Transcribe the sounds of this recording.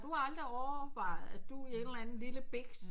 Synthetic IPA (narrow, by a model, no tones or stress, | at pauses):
d̥uhɑ̈ɑ̈ld̥ʁiɒʊɐʋɑ̈ɪ̰ð̩ˠæd̥uie̝nd̥lænn̩liləb̥eɡ̥s